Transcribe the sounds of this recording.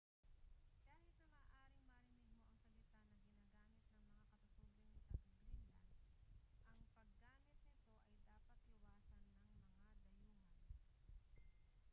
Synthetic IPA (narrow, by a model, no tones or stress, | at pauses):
kaːhɪt̪̚nɐmaːʔaːɾɪŋmɐɾɪnɪɡmoʔɐŋsɐlɪt̪anɐŋɡɪnaːɡaːmɪt̪̚nɐŋmɐŋakɐt̪ɐt̪ulɪnɪt̪ɐʊɡɾɪŋlɐ̰nʔɐŋpɐɡːaːmɪt̪̚nɪt̪o̞ʔɐjd̪aːpɐt̪̚ɪwaːsɐnːɐŋmɐŋad̪ɐjuːŋɐ